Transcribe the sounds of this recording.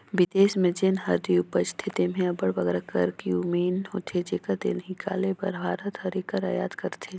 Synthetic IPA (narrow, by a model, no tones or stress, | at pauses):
ʋɪd̪eːsmẽd͡ʒenɦɐɾd̪iʊpəst̪ʰit̪emẽɐbəɽbɐɡɾakə̰ɾkiumiːnɦoːt̪ʰed͡ʒeːkad̪ḛnɦikʰa̰ːlebɐɾbʱaːɾət̪hɐɾikəɾa̰jaːd̪kəɾt̪ʰe